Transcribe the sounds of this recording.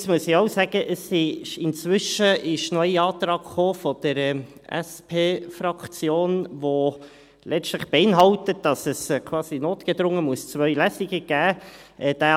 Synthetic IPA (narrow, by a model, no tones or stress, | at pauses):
smuəsɪoʊsæɡ̥əʔəsːiʃɪnt͡sʋʏʃəɪʃnœjiɑːtɾɑːɡχoːfɔd̥̪əɾəɛ̰spʰeːfɾɑkt͡sjoːnʋo | lʔɛʃtləχb̥ɛɪnɦɑltət̚d̥ɑsəskʰwɑːsinoːtɡ̥ɛd̪ɾʊŋːəmuəst͡svœʏlæsiɡəɡ̥æːʔɛd̥æ